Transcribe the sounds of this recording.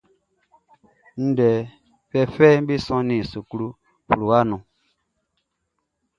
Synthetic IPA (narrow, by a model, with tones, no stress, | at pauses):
n̩˦dɛ˨ | fɛ˦fɛ˦m̩˦bi˦sɔ̃˦nĩ˨su˨ku˦ɾu˦ | fu˨ɾu˨wa˦nũ˨